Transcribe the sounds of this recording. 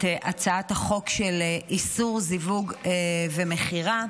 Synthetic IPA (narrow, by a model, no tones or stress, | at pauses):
eʔat͡saathaχo̞kʃeleʔisuʁzivuɡevemeχiʁa